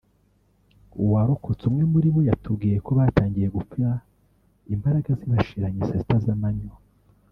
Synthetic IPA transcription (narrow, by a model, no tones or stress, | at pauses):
uwaɾokʰot͡sumŋe̞muɾiβo̞jatʰub̚ɡiːjeko̞βataːŋɡije̞ɡufiɾa | imbaɾaɡaziβaʃiɾaɲisezitazamaɲo